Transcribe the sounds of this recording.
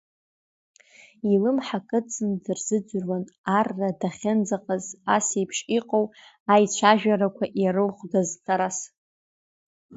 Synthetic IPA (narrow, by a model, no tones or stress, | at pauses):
ilɨmħakʼɨt͡sʼɨndɨrzɨd͡ʒʷrwanarːadaχʲɪnd͡zaqʼazasejpʰʂiqʼow | ajt͡ɕʷʰaʒᶣaɾakʷʰaʔjaɾɨlχʷʼɡaztʰʼaɾas